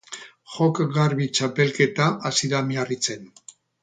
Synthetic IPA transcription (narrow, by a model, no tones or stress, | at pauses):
xo̞kɣaɾβit͡ʃape̞lke̞t̪aʔasiðamiarit͡se̞n